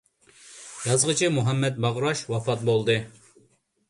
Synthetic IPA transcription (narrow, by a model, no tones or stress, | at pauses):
jɑzʁət͡ʃʰimuɦɑmːɛt̪̚bɑʁɾɑʃwɑfɑt̪̚bolˠd̪ɨ